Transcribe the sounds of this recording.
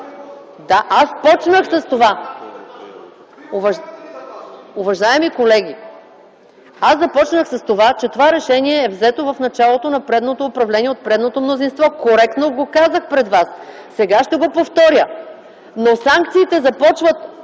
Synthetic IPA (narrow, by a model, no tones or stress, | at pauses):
d̪aʔaspɔt͡ʃnəxsɐst̪ova | ovɐ | ʊvɐʒaɛmikolɛɡʲi | asɐpɔt͡ʃnəxsɐst̪ovat͡ʃɛt̪ovaɾɛʃɛniɛːvzɛt̪ovɐfnɐt͡ʃalˠot̪onɐpɾɛd̪not̪oːpɾɐvlɛniɛot̪̚pɾɛd̪not̪omnozinst̪vɔkoɾɛk̚t̪noɡokazəxpɾɛd̪vasː | ɛɡaʃt̪ɛɡopoft̪ɔɾʲjə | nosaŋk̚t̪siːt̪ɛzɐpɔt͡ʃvət̪